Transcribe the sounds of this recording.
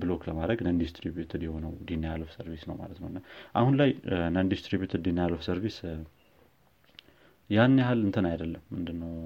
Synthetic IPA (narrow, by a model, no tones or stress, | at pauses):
blo̞kləmad̪ɾəɡnənd̪ist̪ɾibjut̪ʰəd̪jɛho̞nəwd̪inajalofsəɾvisnə̰wma̰lət̪nəwnaʔa̰hunlajnənd̪ist̪ɾibjut̪ʰəd̪inːjalofsəɾvis | janjahalɨnt̪ʰənajd̪əlːəmːɨnd̪ɨnːəw